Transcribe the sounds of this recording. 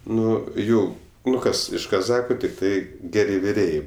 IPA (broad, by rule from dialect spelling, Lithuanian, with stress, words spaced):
ˈnʊ ˈjɛʊ ˈnʊ ˈkɐs ɪʃ kɐˈzɑːxɐ tʲɪkˈtɐɪ ˈɡʲæːrʲɪ ʋʲɪˈrʲeːjɛɪ